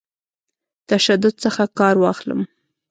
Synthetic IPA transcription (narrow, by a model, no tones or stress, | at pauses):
t̪aʃad̪ʊd̪̚səxakɑɾwɑxlə̰m